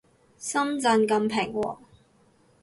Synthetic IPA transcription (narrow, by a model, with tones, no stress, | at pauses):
sɐ˥mt͡sɐ˧nkɐ˧mpʰɛː˨˩ŋwɔ̰ː˨˩